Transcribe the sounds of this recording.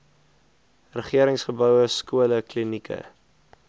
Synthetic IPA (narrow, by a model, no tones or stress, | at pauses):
rəχiəɾəŋsχəbœwəskuələklinikʰə̰